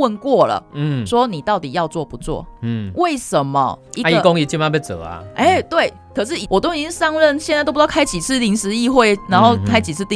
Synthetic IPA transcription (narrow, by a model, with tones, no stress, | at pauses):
wə˥˧nkwɔ˥˩lə̰˨˩nn̩˥˩swɔ˦˥ni˨˩t̪ɑ˥˩ʊt̪i˨˩jɑ˥˧ʊt͡swɔ˥˨˩pu˨˦t͡swɔ̰˥˨˩we˥˩ɪʂə˨˦nmə̰˨i˧˥˧i˧ko˦ŋi˧t͡ɕi˥˧ma˥˧pe˥˩t͡sɤ̰˨˩a̰˨˧ʔe˥˩t̪we˥˩ɪ | kʰɤ˨˩ʂ̬ɻ̩˥˩i˨˩wʔɔ˨˩t̪o˥ŋi˧˩t͡ɕi˥˧sɑ˥ŋɻə˥˨nɕ̬jɛ˥˧t͡sa˥˩to˥˧˥kʰa˥ɪt͡ɕi˨˩t͡sʰɹ̩˥˧li˧˥ŋʂɻ̩˧˥i˥˧xwe˥˧ɪna˧˦nxo˥˩ʊkʰa˥ɪt͡ɕi˨˩t͡s̩ʰ˥˧t̪i˥˧